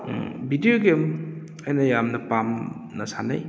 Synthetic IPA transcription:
bidioɡem | ɐjnɐjamnɐpam | nɐsana̰j

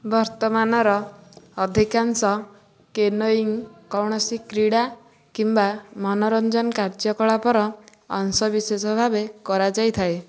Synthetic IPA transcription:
bɔɾt̪ɔmanɔɾɔː | d̪ʱikansɔ | kenoiŋkɔwɳ̃ɔsikɾiɽa | kimbamɔnɔɾɔnd͡ʒɔnkaɾd͡ʒɔkɔɭapɔɾɔ̰ː | ŋsɔbisesɔbʱabekɔɾad͡ʒajt̪ʰae

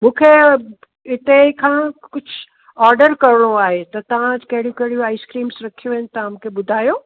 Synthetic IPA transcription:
mũːkʰe | ɪt̪ekʰãːkʊd͡ʑʱʊ | ɔːɾɖəɾkɐɾɪɽ̃oaːɦet̪ɐt̪ɐʋ̤ãkɐɦɪɽijũkɐɦɪɽijoaːɪskɾiːmsɾɐkʰijoɪnɪ̆t̪ɐ̃mũːkʰeɓʊd̪ʱaːjoː

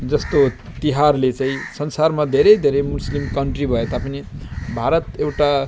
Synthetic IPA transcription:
d͡zʌst̪o | t̪iɦarlet͡sãĩsʌnsarmad̪ʱeɾʌjd̪ʱeɾʌjmuslimkʌɳʈribʱʌet̪apʌnibʱaɾʌt̪ewʈa

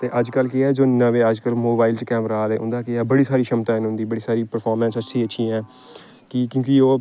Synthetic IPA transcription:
t̪eːʔəd͡ʒkəlkɪɛːd͡ʒoːnəʋeːəd͡ʒkəlmoːbaːɪlt͡ʃkɛːmɾaːlɛːʊ̰̃nd̪aːkeɛːbəɽiːsaːɾiːʃəmt̪ãːɪnʊ̃nd̪iːbəɽiːsaːɾiːpəɾpʰaːɾmɛ̃ːnsətːʃʰiːətːʃʰĩːɛ̃ː | kɪkjõːkioː

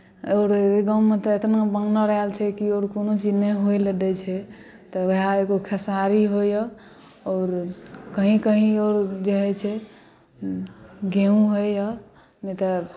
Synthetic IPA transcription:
oɾɡãumet̪ɔet̪nabəŋɡnɔɾəɦelt͡ʃʰɛkioɾkonot͡ʃid͡ʒneɦojled̪ɛt͡ʃʰɛ | t̪ɔeɦaeɡokʰesaɾiɦojə | ɔːɾkəɦĩkəɦĩoɾd͡ʒeɦɛt͡ʃʰɛ | ɡeũɦojjə | nɛt̪ɔ

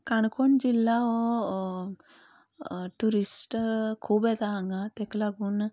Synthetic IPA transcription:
kaɳkʰoɳd͡ʑilːao | ʈuɾisʈkʰuːbet̪aːŋɡat̪eklaɡun

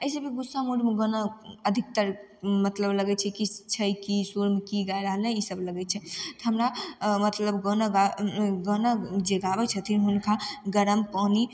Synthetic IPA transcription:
əjsəbeɡusːamuɖmeɡənəəd̪ʱik̚t̪əɾ | mət̪ləbləɡɛt͡ʃʰɛkit͡ʃʰəjkisuɾmekiɡaeɾaɦənəisəbləɡɛt͡ʃʰɛt̪ɔɦəmɾamət̪ləbɡənəɡaɡənəd͡ʒeɡabɛt͡ʃʰət̪ʰinɦunkʰaɡəɾəmpani

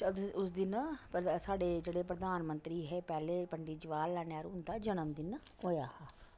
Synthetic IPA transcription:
ʊs̬d̪ɪnpsaːɖeːd͡ʒeːɽeːpɾəd̪aːnmə̃nt̪ɾiːɦɛːpɛːleːpəɳɖiːd͡ʒɪʋaːlːɛːnjaːɾʊ̃nd̪aːd͡ʒənəmd̪ɪnɦoːjaːhaː

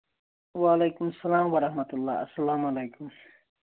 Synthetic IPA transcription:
waːlejkumsɐlaːmwɐɾɐhmɐt̪ulːa̰ːɐsːɐlaːmalejkʊm

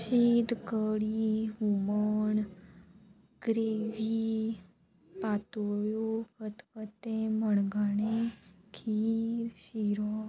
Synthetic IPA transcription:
ɕid̪kəɽiɦuməɳ | ɡ̥ɾeʋi | pat̪oɭjokət̪kət̪ẽməɳɡanẽkʰiːɾɕiɾɔ

